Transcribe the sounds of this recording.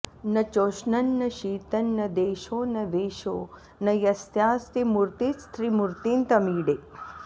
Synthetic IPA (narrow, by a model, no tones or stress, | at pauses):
nɐt͡ʃoːʃnɐnːɐʃiːt̪ɐnːɐd̪eːʃoːnɐʋeːʃoː | nɐjɐst̪jaːsɾimuɾt̪ist̪ʰɾimuɾt̪int̪ɐmiːɖeː